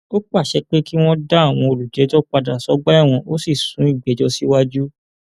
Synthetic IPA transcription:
o˦k͡pa˦˨ʃɛ˧k͡pe˦ki˦w̃ɔ̃˦da˦a˦˨w̃ɔ̃˧o˧lu˨d͡ʒɛ˨˦d͡ʒɔ˦k͡pa˧da˨sɔ˨˦ɡ͡ba˦ɛ˦˨w̃ɔ̃˧ʔo˦si˦˨sũ˨˦i˦˨ɡ͡bɛ˨˦d͡ʒɔ˧si˦wa˦d͡ʒu˦

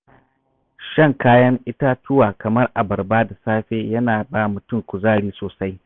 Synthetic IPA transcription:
ʃɐ˦ŋkaː˦jɐ˦ŋʔɪ˦ta˦tʊ˦waː˨kɐ˨mɐ˦rʔa˨bɐ˨rbaː˦da˨saː˦ɸeː˦jɐ˦naː˨baː˦mʊ˨tʊ˦ŋkʷʊ˨zaː˦˨ɽiː˦soː˨sa˦j

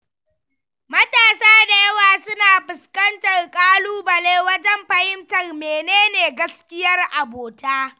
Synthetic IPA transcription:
mɐ˦taː˨saː˦da˨jɐ˦waː˨sʊ˦naː˨ɸɪ˨skɐ˦ntɐ˨rkʼaː˦luː˦bɐ˨leː˦wɐ˦d͡ʒɛ˦mɸɐ˨hɪ˦mtɐ˨rmeː˨neː˦neː˨ɡɐ˦skʲɪ˦jɐ˦rʔa˨boː˨taː˦

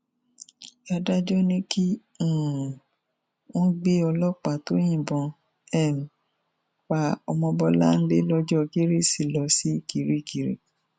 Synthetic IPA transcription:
a˧da˦d͡ʒɔ˦nĩ˦kĩ˦˨ | wɔ̃˦ɡ͡be˦ɔ˧lɔ˦k͡pa˨to˦jĩ˦˨bɔ̃˧ | ɛ˦˨m̩˨ | k͡pa˧ɔ˧mɔ̃˧bɔ˧la̰˦n̩˦le˦lɔ˦d͡ʒɔ˦˧ɡe˦ɾe˦si˦˨lɔ˧˦si˦ki˨˦ɾi˦˨ki˨˦ɾḭ˦

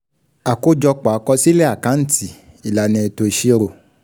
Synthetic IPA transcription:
a˨ko˦d͡ʒɔ˧k͡pa˨˧kɔ˧si˦lɛ˦a˦˨kã˨˦n̩˦ti˦˨ | i˨la˨˦nɛ̃˨˧˨to˧i˧ʃi˦ɾo˨

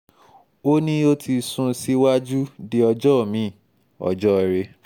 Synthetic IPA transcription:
o˦nĩ˦o˦ti˧sũ˧si˦wa˦d͡ʒu˦di˦ɔ˧d͡ʒɔ˦˨mĩ˨˦˨ | ɔ̰˨d͡ʒɔ˦ɛ˨ɾe˧˦

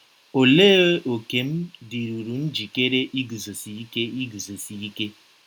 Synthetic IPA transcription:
o˨le˦o˨ke˨m̩˦di˨ɾu˨ɾu˨n̩˦d͡ʒi˨ke˦ɾe˦ʔi˦ɡu˨zo˨si˨i˦ke˦i˦ɡu˨zo˨si˨i˦ke˦

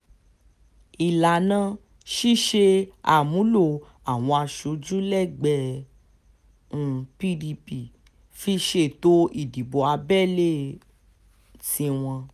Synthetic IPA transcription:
i˨la˨nã˧ | ʃi˦ʃe˧a˨mũ˨˦lo˦˨ | a˨w̃ɔ̃˧a˧ʃu˨˧˦d͡ʒũ˦lɛ˦˨ɡ͡bɛ˧˦ | ũ˨pi˦di˧pi˨ | fi˧˦ʃe˦˨to˦i˦˨di˨bo˨a˧bɛ˦˨le˦˨ | tĩ˧˦w̃ɔ̃˧

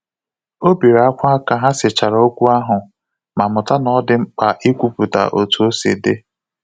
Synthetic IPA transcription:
o˦bi˨ɾa˦kʷa˦a˦ka˦ɦa˦sɪ˨t͡ʃa˨ɾa˨o˦kʷu˦a˦ɦʊ˨ | ma˨mʊ˨ta˦nɔ˦dɪ˦ŋ͡m̩˦k͡pa˨ʔi˦kʷu˨pu˨ta̰˨ʔo˨tu˨o˦sḛ˨de˦

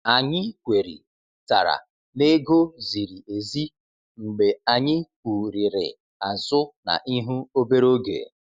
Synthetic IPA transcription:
a˨ɲɪ˦kʷe˨ɾḭ˨ | ta˨ɾa̰˨ | ne˦ɡo˦zi˨ɾi˨ʔe˨zi˦ | ŋ͡m̩˨ɡ͡be˨a˨ɲɪ˦ku˨ɾi˨ɾɪ̰˨ | a˨zʊ˦na̰˨ʔi˦ɦu˦o˦be˦ɾo˦ɡḛ˨

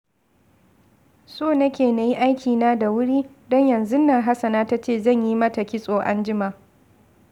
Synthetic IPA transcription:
soː˦˨nɐ˦kʲeː˨na˨ji˦ʔa˦jkʲiː˨naː˦da˨wʊ˦ɽiː˦ | dɔ˦ɲjɐ˨nzʊ˦nːa˨ɦa˦sɐ˨naː˦ta˦t͡ʃeː˦˨zɐ˦˨ɲji˦mɐ˦ta˨kʲɪ˦sʼoː˨ʔa˦nd͡ʒɪ˦ma˨

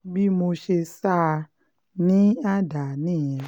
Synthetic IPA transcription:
bi˦mo˧ʃe˧sa˦˧ | nĩ˦a˦da˨nĩ˦˨ɛ̃˨

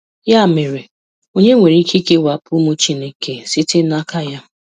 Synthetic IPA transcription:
ja˦a˨me˨ɾe˨ | o˦ɲe˦ŋʷe˨ɾi˨˦i˦ki˦ke˦wa˨pʰʊ˦mu˦t͡ʃi˦ne˦ke˨sɪ˦tɪ˦na˦ka˦ja˦

